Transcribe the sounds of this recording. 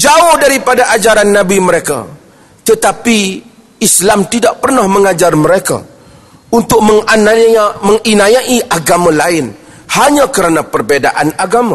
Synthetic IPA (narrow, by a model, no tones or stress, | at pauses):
d͡ʒaʊhdaɾipadaʔad͡ʒaɾanːãbiməɾeka̰ | t̪ət̪api | islamt̪idaʔ̚pərnahmə̃ŋad͡ʒarməɾeka̰ | unt̪ʊk̚məŋnamə̃ŋinajaʔiʔaɡamãlaɪn | haɲãkəɾanapərbedaʔanaɡama